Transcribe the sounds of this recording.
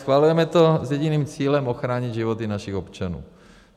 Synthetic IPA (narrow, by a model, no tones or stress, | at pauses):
sxʋalujɛmɛt̪ozjɛɟiniːmt͡siːlɛmoxɾaːɲiɟ̪ʒivot̪inaʃiɣopt͡ʃanṵː